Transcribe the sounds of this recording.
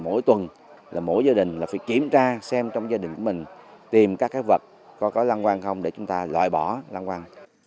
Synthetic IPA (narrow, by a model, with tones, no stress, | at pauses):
mo̰˧˥jt̪wə˨˩n | laː˨˩mo̰˧˥˨jzaː˧ɗï˨˩ŋ̟laː˨˩faː˧˩jki˧˩əmt͡ɕaː˧sɛ˧mt͡ɕɔ˧wŋ͡mzaː˧ɗï˨˩ŋ̟ku˧˩əmï˨˩ŋ̟t̪i˨˩mkaː˦˥kːaː˨˦jvə˨˩t̚ | kɔ˨˦kɔ˨˦la˧nkwaː˧nxə˧wŋ͡mɗe˧˩t͡ɕʊ˨˦ŋ͡mt̪aː˧lwa̰ː˧˨jɓɔ˧˩la˧nkwaː˧n